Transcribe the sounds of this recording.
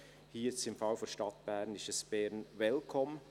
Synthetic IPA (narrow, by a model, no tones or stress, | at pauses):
hiːt͡sɪmfɑlfɔʃtɑt̚b̥ɛɾnɪʃəsb̥ɛɾnvɛlkʰɔm